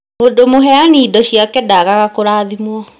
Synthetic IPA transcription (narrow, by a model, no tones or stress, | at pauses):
modomoɦɛaniːdɔɕiakɛdaɣaɣakoɾaːðimwɔ